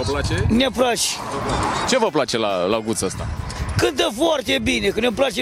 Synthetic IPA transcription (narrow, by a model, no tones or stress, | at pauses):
aenepɾaʃ | t͡ʃe̞vəplat͡ʃe̞lalaɡut̪səst̪akɨnt̪əfoart̪e̞bine̞kənep̬lat͡ʃ